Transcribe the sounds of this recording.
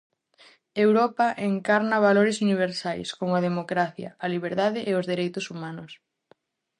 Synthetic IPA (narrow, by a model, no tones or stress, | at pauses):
ewɾɔpɐʔeŋkaɾnɐβaloɾɪsuniβ̞eɾsajskomɐðemokɾaθjɐ̰ɐliβ̞eɾðaðɪʔeozðiɾejt̪ʊsumanʊs